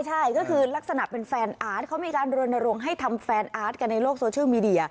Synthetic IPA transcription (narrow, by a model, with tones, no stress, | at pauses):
jt͡ɕʰa˥˩jkɔː˥˩kʰɯː˧la˦˥k̚sa˧na˨˩pe˧nfɛː˧nʔaː˦˥t̪̚kʰa˦˥wmiː˧kaː˧nɾu˧ənːa˧ɾo˧ŋɦa˥˩jt̪ʰa˧mfɛː˧nʔaː˦˥t̪̚ka˧nːa˧jloː˥˩k̚soː˧t͡ɕʰɯ˥˩miː˧di˧ɐ˧